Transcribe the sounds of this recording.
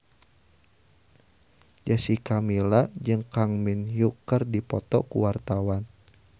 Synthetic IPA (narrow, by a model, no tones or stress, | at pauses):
d͡ʒasikamilad͡ʒɨŋkaŋminjukərdipɔt̪ɔ̰kṵwart̪awan